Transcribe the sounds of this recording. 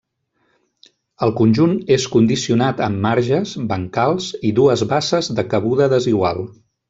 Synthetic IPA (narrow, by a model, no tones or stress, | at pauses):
əlˠkunʲʒuneskund̪isiunat̪əmːaɾʒəzbəŋkalˠziðuəzβasəzðəkəβ̞uðəðəziɣwalˠ